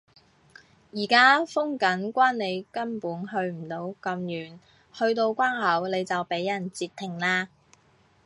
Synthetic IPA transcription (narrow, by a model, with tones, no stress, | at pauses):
jiː˨˩kaː˥fʊ˥ŋkɐ˨˥nkʷaː˥nne˨˧jkɐ˥npuː˨˥nɦɵ˧ɥm̩˨˩t̪o˨˥wkɐ˧mjyː˨˩n | hɵ˧ɥt̪o˧wkʷaː˥nhɐ˨˥wle˨˧jt͡sɐ˨wpe˨˥jːɐ˨˩nt͡siː˧t̪ʰːɪ˨˩ŋlaː˧